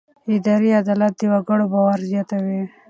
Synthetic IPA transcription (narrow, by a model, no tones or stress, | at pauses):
id̪aɾiad̪alat̪̚d̪iwaɡəɽobawaɾzjat̪awi